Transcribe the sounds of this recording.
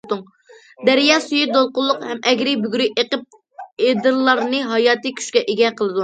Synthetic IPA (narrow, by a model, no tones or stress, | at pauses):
d̪uŋ | d̪æɾijɑːsujid̪olˠqʊlˠːʊqhɛmɛɡʲɾɪbyɡʲɾɪʔeqəp̚ | ed̪ɨɾlˠːɑɾnɨɦɑjɑːt̪ɨkʲʰy̥ʃkʲɛʔeɡʲɛqʰəlˠɨd̪u